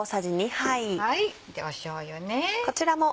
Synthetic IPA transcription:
sad͡ʑiɲ̟ihaiai | d̪eaɕoːjoneko̞t͡ɕiɾamo̞

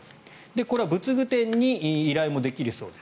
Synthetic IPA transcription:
d̪e̞ko̞ɾe̞βabɯ̟t͡sɨɡɯ̟t̪ẽ̞ɲ̟ːiːɾaimo̞d̪e̞kʲiɾɯ̟so̞ːd̪ḁ

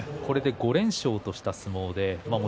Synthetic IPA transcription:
ko̞ɾe̞d̪e̞ɡo̞ɾẽ̞ɰ̃ɕo̞ːt̪o̞ɕi̥t̪asɨmo̞ːd̪e̞mamo

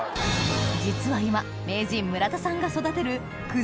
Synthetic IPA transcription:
d͡ʑit͡sɨβaima | me̞ːd͡ʑĩmːɯ̟ɾat̪asãŋɡaso̞d̪at̪e̞ɾɯ̟ | kɯ̟

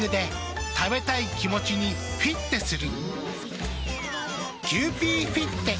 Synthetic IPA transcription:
ɯ̟d̪e̞ | t̪abe̞t̪aikʲimo̞t͡ɕiɲ̟i | ɸʲit̪ːe̞sɨɾɯ̟ | ɡʲɨːpʲiːɸʲit̪ːe̞

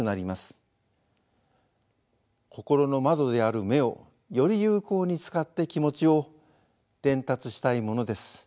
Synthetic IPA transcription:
ɯnaɾʲimasɨ̥ | kʰo̞ko̞ɾo̞no̞mad̪o̞d̪e̞aɾɯ̟me̞o̞ | jo̞ɾʲijɯ̟ːko̞ːɲ̟it͡sɨ̥kat̪ːe̞kʲimo̞t͡ɕio̞ | d̪̥ẽ̞nt̪at͡sɨɕi̥t̪aimo̞no̞d̪e̞sɨ̥

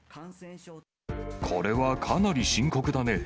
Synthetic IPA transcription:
kʰo̞ɾe̞βakʰanaɾʲiɕĩŋko̞kɯ̟d̪ane̞

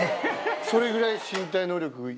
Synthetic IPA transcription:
so̞ɾe̞ɡɯ̟ɾaiɕĩnt̪̬aino̞ːɾʲo̞kɯɡa

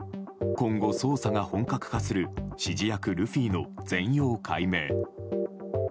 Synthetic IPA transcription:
kõ̞ŋɡo̞so̞ːsaɡahõ̞ŋkakɯ̟̥kasɨɾɯ̟ɕiʑijakɯ̟ɾɯ̟ɸʲiːno̞d͡zẽ̞ɰ̃jo̞ːkʰaime̞ː

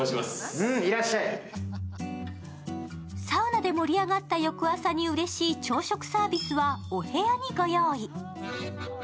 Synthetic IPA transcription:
ɕimasɯ̃iɾaɕːai | saɯnad̪e̞mo̞ɾʲiaɡat̪ːajo̞kɯ̟asaɲ̟iɯ̟ɾe̞ɕiːt͡ɕo̞ːɕo̞kɯ̟̥saːbʲisɨβaohe̞aɲ̟iɡo̞jo̞ːi

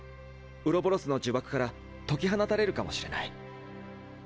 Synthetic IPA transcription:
ɯ̟ɾo̞boɾo̞sɨno̞d͡ʑɨbakɯ̟̥kaɾa | t̪o̞kʲiɦanat̪aɾe̞ɾɯ̟kamo̞ɕiɾe̞nai

